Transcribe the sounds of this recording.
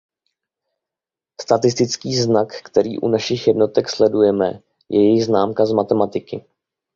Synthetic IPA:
st̪at̪ɪst̪ɪt͡skiːznakːt̪ɛɾḭːʔṵnaʃɪxjɛdno̞t̪ɛkslɛdujɛmɛ̰ | jɛjɛjɪɣznaːmkazmat̪ɛmat̪ɪkɪ

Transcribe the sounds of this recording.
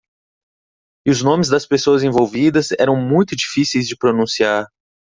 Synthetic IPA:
ɪʊznõmɪzd̪ɐspesoɐzẽvowvid̪ɐzɛɾɐ̃w̃mũj̃t̪ʊd͡ʒifisejzd͡ʒɪpɾonũsiaɾ

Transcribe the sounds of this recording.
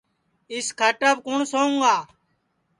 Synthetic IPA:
ɪskʰaʈabkʊɳsoːũŋɡaː

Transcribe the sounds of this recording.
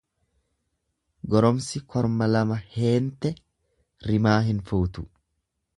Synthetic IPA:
ɡɔɾɔmsɪkʰɔɾmɐlɐmɐhe̞ːnt̪ɛ | ɾɪmaːɦɪnfuːt̪ʊ̥

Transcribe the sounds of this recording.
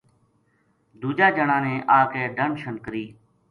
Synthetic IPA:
d̪uːd͡ʒaːd͡ʒəɳãːnẽːʔaːkeːɖənʃənkəɾiː

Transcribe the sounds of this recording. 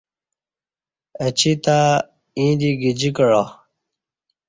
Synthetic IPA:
ət͡ɕʰit̪a | ĩːd̪iɡid͡ʑikəɻa

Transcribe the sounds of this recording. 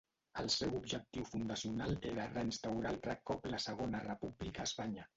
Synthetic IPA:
əlˠsɛwubʒək̚t̪iwfund̪əsiunaleɾərəinst̪awɾalˠrəkːɔpləsəɣ̞onərəpublikəːspaɲə

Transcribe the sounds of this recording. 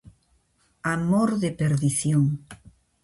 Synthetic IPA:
amoɾðepeɾðiθjoŋ

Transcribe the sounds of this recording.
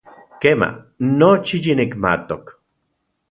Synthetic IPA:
kema̰ | not͡ʃijinikma̰t̪ok

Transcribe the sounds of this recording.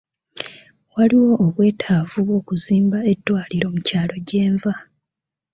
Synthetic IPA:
waliwo̞ʔːβwe̞ːtʰaːvuβwo̞ːkuziːmbae̞dːwaːliɾo̞mucaːlo̞ɟe̞ːɱva

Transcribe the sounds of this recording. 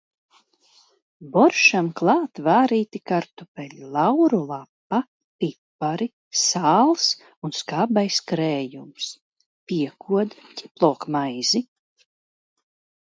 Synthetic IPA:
bɔɾʃamklˠaːt̪vaːɾiːt̪ikaɾt̪upɛʎʲlˠawɾulˠapːa | pipːaɾi | saːlˠs | unskaːbajskɾɛːjums | pʲiɛkʰuɔd̪cʲi̥plˠɔːkmajzi

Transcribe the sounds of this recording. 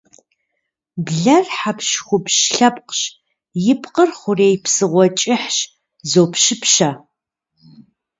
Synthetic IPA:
bɮɐrħapʰʃxʷʊpʃɬɐpqɕ | jɪpʰqərχʷʊreːjpʰsɨʁʷɔt͡ʃʼɪħɕ | zowpʃɪpʃa

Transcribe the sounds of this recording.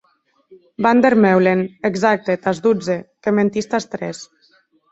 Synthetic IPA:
band̪eɾmɛwleneɡzak̚t̪et̪azd̪ud͡zekement̪ist̪ast̪ɾɛs

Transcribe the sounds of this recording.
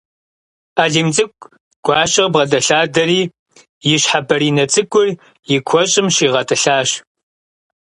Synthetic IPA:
aːɮiːmt͡sʼɨkʷʼ | ɡ̥ʷɑːʃɪʁbʁɐdɐɬaːdɐriː | jɪɕħabɐɾiːnɐt͡sʼɨɡʷʊr | jɪkʷʰɔɕʼɪmʃiːʁɐtʰʼɨɬaːɕ

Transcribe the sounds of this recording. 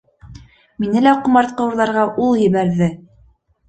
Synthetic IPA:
minɘlæqŏmɑɾt̪̚qɤ̆wɤɾlˠɑɾʁɑʔulˠjɘ̆βæɾðɘ

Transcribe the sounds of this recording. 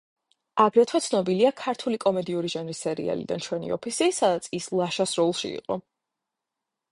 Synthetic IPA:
aɡɾɛt̪ʰwɛt̪sʰnɔbiliakʰaɾt̪ʰulikʼɔmɛd̪iuɾiʒanɾisɛɾḭa̰lḭd̪a̰nt͡ʃʰwɛnḭɔpʰisisad̪at̪sʰislˠaʃasɾɔlˠʃḭḭqʼɔ

